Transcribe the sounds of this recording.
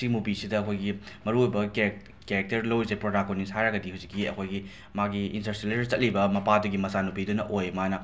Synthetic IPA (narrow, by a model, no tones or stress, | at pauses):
simupisidɐːkʰojɡi | mɐɾuojbɐk | keɾek̚teɾlowizepɾodakonːishajɾaɡɐdihawzikːiɐ̰kʰojɡi | maɡiintɐɾsileɾɾt͡ʃɐt̚libɐmɐpaduɡimɐsanupidunɐʔojmajnɐ